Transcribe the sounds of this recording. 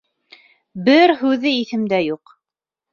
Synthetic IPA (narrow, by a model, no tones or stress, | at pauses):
bɘɾɦʉðɘiθɘ̆md̪æjuq